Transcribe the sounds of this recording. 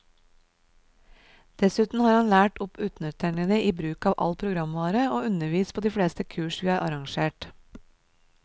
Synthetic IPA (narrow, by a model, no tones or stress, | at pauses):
d̪̥ɛsʉːt̪n̩hɑːɾhɑnlæːʈɔpʉːt̪nœt̪ʰəɳəd̪eʔiːbɾʉːkɑːʋʔɑ̰lpʰɾʊɡɾɑmʋɑːɾəoːʉnəʋiːspʰoːd̪iːfɽeːst̪əkʰʉːʃʋiːæːɾʔɑɾɑŋʃeːʈ